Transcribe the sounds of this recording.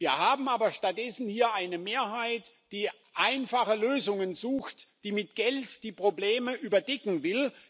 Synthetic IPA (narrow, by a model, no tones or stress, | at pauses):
viːɐhaːbm̩aːbɐʃtat̚d̥ɛsn̩hiːɐʔaɪnəmeːɐɦaɪtd̥iː | ʔaɪnfaχəløːzʊŋənzuːxtd̥iːmɪtɡ̥ɛltd̥iːpʁ̥obleːməʔyːbɐdɛkŋ̩vɪl